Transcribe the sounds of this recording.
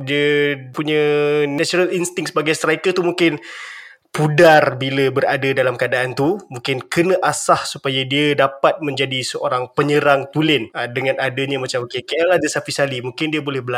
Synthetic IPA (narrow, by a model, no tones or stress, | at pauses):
diəpuɲə̃nasoɾalinst̪ɪŋksəbaɡajst̪ɾaikət̪umuŋkɪn | pudarbiləbəɾadadalamkəadaʔant̪umũŋkɪnkənəʔasahsupajadiadapat̪̚mə̃ɲd͡ʒadisəʔoɾaŋpəɲəɾaŋt̪ulɪnədəŋãnadaɲamat͡ʃamokekeɛlahdəsapisalimuŋkɪndiabolɛhbəla